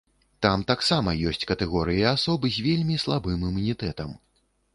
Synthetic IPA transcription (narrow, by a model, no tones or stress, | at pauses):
t̪amt̪aksamɐjɔsʲt͡sʲkɐt̪ɛɣɔɾɨjiasɔbɨzʲvʲelʲmʲislˠabɨmɨmunʲit̪ɛt̪ɐm